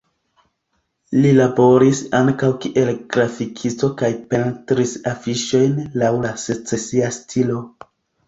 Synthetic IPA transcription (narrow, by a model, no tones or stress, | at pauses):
lilabo̞ɾisaŋkawkiʔe̞lɡ̥ɾafikʰist͡so̞kajpe̞ntɾisafiʃo̞jnlawlase̞t͡se̞siastʰilo̞